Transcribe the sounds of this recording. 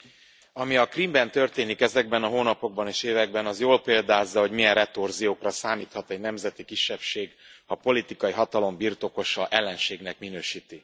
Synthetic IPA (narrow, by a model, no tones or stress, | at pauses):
ɒmiɒkrimbɛnt̪ø̞rt̪eːnikɛzɛɡ̚bɛnɒɦoːnɒpo̞ɡ̚bɒneːʃeːvɛɡ̚bɛnɒzjoːlpeːld̪aːzːɒɦo̞ɟmijɛnrɛt̪orzijoːkrɒsaːmiːt̪hɒt̪ɛɟnɛmzɛt̪ikiʃːɛpʃeːɡhɒpo̞lit̪ikɒjiɦɒt̪ɒlo̞mbirt̪o̞ko̞ʃɒʔɛlːɛnʃeːɡnɛkminøːʃiːt̪i